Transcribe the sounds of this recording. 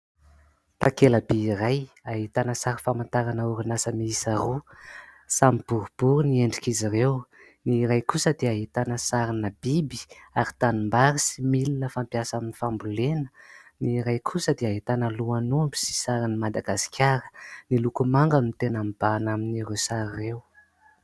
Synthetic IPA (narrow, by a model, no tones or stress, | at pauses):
t̪akeləbeirajaɦit̪anəsaɾifamant̪aɾanəuɾinasəmiisaɾu | samib̥uɾub̥uɾunieɳɖ͡ʐikizirew | niːɾajkusəd̪eaɦit̪anəsaɾinəbibi̥aɾi̥t̪anumbaɾisimilinəfampjasaminifambulenə̥niːɾajkʰusəd̪eaɦit̪anəluanumbusi̥saɾinimad̪aɡasi̥kʲaɾə̥nilukumaŋɡanit̪enambanaminirewsaɾirew